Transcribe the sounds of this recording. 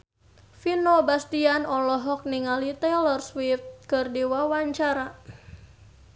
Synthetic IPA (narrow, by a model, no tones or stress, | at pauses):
finɔbast̪ianɔlɔɦɔk̚niŋalit̪ɛlərswift̪̚kɨrdiwawaɲt͡ʃaɾa